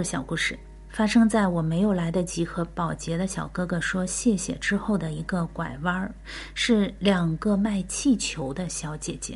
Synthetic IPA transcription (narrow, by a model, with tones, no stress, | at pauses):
ɕjɑ˨˩ʊku˥˩ʂɻ̩˥˩ | fa˥ʂɤ˥ŋt͡sa˥˩ɪwɔ˨˩me˧˥ɪjo˨˩ʊla˧˥ɪd̪ə˧t͡ɕi˧˥xɤ˧˥pɑ˨˩ʊt͡ɕjɛ˧˥d̪ə˧ɕjɑ˨˩ʊkɤ˥ɡɤ˥˧˩ʂwɔ˥ɕjɛ˥˩ɕjɛ̰˨˩ʈ͡ʂɻ̩˥xo˥˩ʊd̪ə˩i˧˥ɡə˧kwa˨˩ɪwɑ˥ | ʂɻ̩˥˩ljɑ˨˩ŋɡə˧ma˥˧ɪt͡ɕʰi˥˩t͡ɕʰjo˧˥ʊd̪ə˧ɕjɑ˧˥ʊt͡ɕjɛ˨˩t͡ɕjɛ̰˧˥